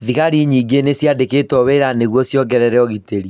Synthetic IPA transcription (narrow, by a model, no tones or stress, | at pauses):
ðiɣaɾiɲiːɡenesjadeketɔβeɾaneɣwɔsjɔɡɛɾɛɾɛɔɣiteɾi